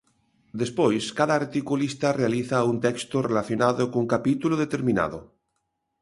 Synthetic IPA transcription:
d̪espojskaðaːɾt̪ikulist̪arealiθaunt̪ekst̪orelaθjonaðokouŋkapit̪uloðet̪e̞ɾmĩna̰ðo

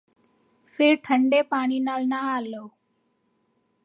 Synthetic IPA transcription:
fʰɪɾʈʰəɳɖeːpaːɳ̃iːnaːlnaaːloː

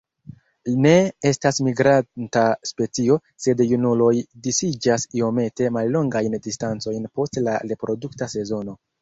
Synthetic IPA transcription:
lne̞e̞stasmiɡɾantaspe̞t͡sio̞ | se̞djunulo̞jdisid͡ʒasio̞me̞te̞malːo̞ŋɡajndistant͡so̞jnpo̞stlaɾe̞pɾo̞duktase̞zo̞no̞

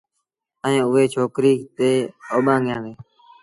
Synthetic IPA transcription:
əẽːʊɦeːt͡ʃʰoːkɾiːt̪eːoːɓãːɠjãːɡeː

